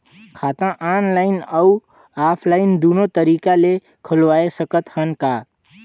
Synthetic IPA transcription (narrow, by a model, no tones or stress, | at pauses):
kʰaːt̪ãʔaːnlaːɪnəu | aːpʰlaːɪnd̪uːnõt̪əɾiːkale | kʰəlʋaːesəkət̪hənka